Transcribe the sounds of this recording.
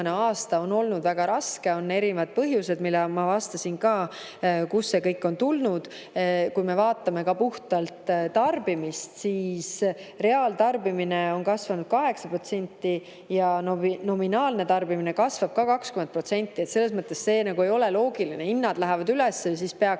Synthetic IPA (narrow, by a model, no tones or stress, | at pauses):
neɑːst̪ɑo̞no̞lnud̪væɡ̥ɑɾɑske̞o̞nːe̞ɾinvɑd̪̚pɤɦjuse̞d̪milːɑmɑvɑst̪ɑsinkɑː | kusːe̞kɤjkːˑo̞nt̪ulnud̪̥ | kujme̞vɑːt̪ːˑɑme̞kɑpuht̪ɑlt̪t̪ɑrb̥imist̪siːsre̞ɑːlt̪ɑrbimine̞o̞nkɑsvɑnud̪̥̚kɑɦe̞ksɑpro̞t̪se̞nʲt̪ːˑi | jɑnno̞minɑːlne̞t̪ɑrbimine̞kɑsvɑb̥̚kɑkɑkskymen̚pro̞t̪se̞nʲt̪ˑːiet̪se̞lːe̞smɤt̪ˑːe̞sse̞ːnɑɡue̞jo̞le̞lo̞ːɡilineinnːɑd̪̥læɦɛvɑd̪ylɛsːes̬ispe̞ɑ